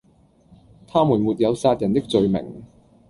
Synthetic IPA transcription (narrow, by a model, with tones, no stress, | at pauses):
t̪ʰaː˥muː˨˩nmuː˨t̚jɐ˨˧wsaː˧t̚jɐ˨˩nt̪ɪ˥k̚t͡sɵ˧ɥmɪ̰˨˩ŋ